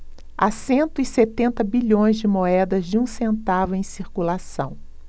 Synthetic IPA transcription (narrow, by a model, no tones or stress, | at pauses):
asẽnt̪ʊiset̪ẽnt̪ɐbiʎõj̃zd͡ʒɪmoɛd̪ɐzd͡ʒɪũsẽnt̪avʊẽj̃siɾkulasɐ̃w̃